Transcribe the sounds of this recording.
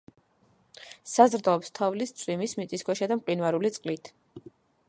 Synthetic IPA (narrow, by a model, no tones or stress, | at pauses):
sazɾd̪aɔpst̪ʰavlist̪sʼwimismit̪sʼiskʰwɛʃad̪amqʼinvaɾulit̪sʼqʼlit̪ʰ